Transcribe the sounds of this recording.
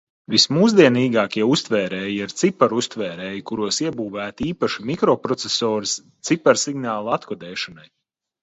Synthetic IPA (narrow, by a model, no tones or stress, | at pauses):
vismuːzd̪iɛniːɡaːkʲiɛust̪vɛːɾɛːjiaɾt̪sipaɾust̪vɛːɾɛːjikuɾuɔsiɛbuːvæːt̪iːpaʃimikɾɔpɾɔt̪sesɔːɾis | t̪sipɛɾsiɡnaːlˠat̪kɔd̪ɛːʃanaj